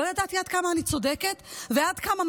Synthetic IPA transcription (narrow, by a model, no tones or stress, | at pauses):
ojad̪at̪iad̪̚kamaːnit͡so̞d̪eket̪vead̪kamam